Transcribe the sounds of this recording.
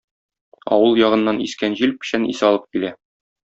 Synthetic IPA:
ɒ̰wɤlˠjɒʁɤ̆nːɑniskænʑilpɘ̥̆ɕænḭsɒlˠɤp̚kilæ

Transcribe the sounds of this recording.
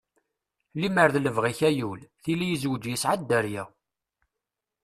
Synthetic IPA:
liməɾðləvʁiçæjulθilijizwəd͡ʒjəsʕad̪ːæɾjæ

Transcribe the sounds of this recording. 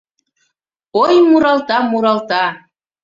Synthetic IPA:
ojmuɾɑlˠt̪ɑmuɾɑlt̪ɑ

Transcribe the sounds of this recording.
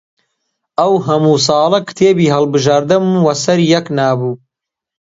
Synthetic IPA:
ʔɐwɦɐmuːs̬ɑːlˠɐkʰɨ̥t̪ʰeːbiːɦɐlˠbɨʒaːɾd̪ɨmwɐsɐɾjɐknaːbuː

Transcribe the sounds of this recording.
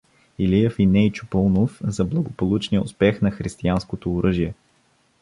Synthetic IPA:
ilijɛfinɛjt͡ʃʊ̥pɔlˠnofzɐblˠɐɡopolˠut͡ʃniəʊ̰spɛxnɐxɾist̪ianskot̪oːɾɤʒiɛ

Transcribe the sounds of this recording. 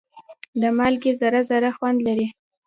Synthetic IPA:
d̪əmalɡezaɾazaɾaxwand̪laɾi

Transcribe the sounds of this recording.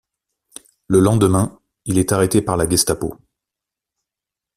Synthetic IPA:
ləlɑ̃d̪əmɛ̃ | ilɛt̪aʁet̪epaʁlaɡʲɛst̪apo̰

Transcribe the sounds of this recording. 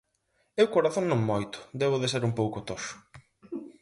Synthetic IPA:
ewkoɾaθõŋnõŋmojt̪ʊ̥d̪eβʊðɪs̬eɾumpowkʊt̪oʃʊ̥

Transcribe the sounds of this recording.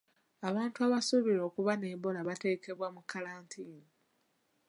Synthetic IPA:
aβaːntuaβasuβiɾo̞ːkuβane̞ːmbo̞laβate̞ke̞βwamukʰːalaːntʰiːni

